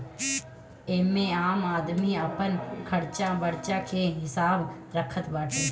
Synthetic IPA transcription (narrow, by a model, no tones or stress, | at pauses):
eːmẽaːmaːd̪miːəpənkʰəɽt͡ʃãbəɽt͡ʃãːkʰeɦɪsaːb | ɾəkʰət̪baːʈʰeː